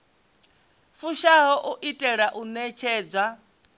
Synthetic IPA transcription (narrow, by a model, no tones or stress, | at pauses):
fuʃaɦɔʔuʔitʼɛɺaʔunɛt͡ʃʰɛːd͡zwa